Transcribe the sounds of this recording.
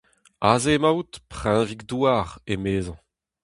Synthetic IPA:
aːzemawt̪pχɛ̃viɡd̪uaʁemeːzɑ̃

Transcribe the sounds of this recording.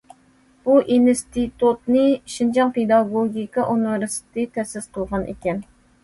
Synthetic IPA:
b̥uʔinst̪it̪ut̪nɨʃind͡ʒɑŋped̪ɑɡoɡʲikɑʔunɪvɪɾst̪ʰɪt̪ʰɛsɪzqʰəlˠʁɑnʔḛkʲɛn

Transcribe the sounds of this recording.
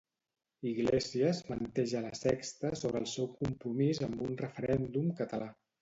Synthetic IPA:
iɣleziəzmənt̪ɛʒələsɛkst̪əsoβɾəlˠsɛwkumpɾumizəmbunrəfəɾɛnd̪umkət̪əla

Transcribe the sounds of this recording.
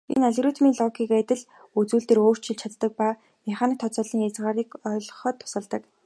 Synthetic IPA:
ḛnæɮʲɣruːt̪miːnɮɔɡiːkæt̪ʲɪ̆ɮ | ut͡suːɮt̪eːɾoːr̥t͡ɕʰiɮt͡ɕʰat̪ːə̆k̚paː | mɪχaːnĭkt̪ʰːɔt͡sɔːɮiːŋjat͡sʁaːɾiːkɔːɮ̆χɞ̆ːt̪ʰːʊ̥sə̆ɮt̪ə̆k

